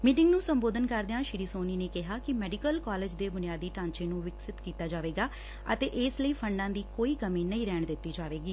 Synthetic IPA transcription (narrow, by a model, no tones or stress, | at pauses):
miːʈɪ̃ŋɡnũːsəmboːd̪ənkəɾd̪ejãːʃɪɾiːsoːniːneːkɪɦaːkɪmɛːɖɪkəlkaːleːd͡ʒd̪eːbʊnɪjaːd̪iːʈãːnt͡ʃeːnũːʋɪksɪt̪kiːt̪aːd͡ʒaːʋeːɡaː | ə̰t̪eːʔɪsləiːpʰəɳɖãːd̪iːkoːiːkəmiːnəĩːɾɛːɳ̃d̪ɪt̪ːiːd͡ʒaːʋeːɡiː